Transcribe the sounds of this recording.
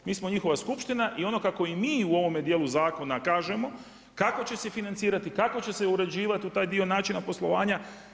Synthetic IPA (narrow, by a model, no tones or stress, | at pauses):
miːsmo̞ɲixo̞ʋaskupʃt̪inaʔio̞no̞kako̞imiːuo̞ʋo̞med̪jeːluzaːko̞nakaːʒe̞mo̞ | kako̞t͡ɕe̞se̞finant̪siːɾat̪ikako̞t͡ɕe̞se̞uɾe̞d͡ʑiːʋat̪iut̪aːjd̪io̞naːt͡ʃinapo̞slˠo̞ʋaːɲa